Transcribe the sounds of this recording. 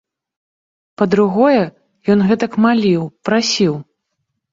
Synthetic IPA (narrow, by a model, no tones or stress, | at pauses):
pɐd̪ɾuɣɔjɛ | jɔnɣɛt̪ɐkmalʲiwpɾasʲiw